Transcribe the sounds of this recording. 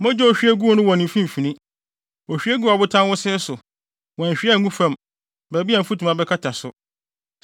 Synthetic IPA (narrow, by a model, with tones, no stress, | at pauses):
mɔ̃˦d͡ʑɛ˦ɔ˨ɕᶣi˦ɛ˦ɡu˦o˦nʊ̃˦wɔ̃˨nɪ̃˨fĩ˦m˨fĩ˨nĩ˦ | ɔ˨ɕᶣɥɛ˦ɡu˦a˨bʊ˦tʰã˦n˦wʊ˦sɪ˦sʊ˨ | wɔ̃˨ɲ̩˨ɕᶣɪ˦˨ŋũ˦fã˨m | bæ˨bi˦a˨m̩˨fu˦tʰũ˨mã˨bɛ˦kʰa˦tʰa˨sʊ˨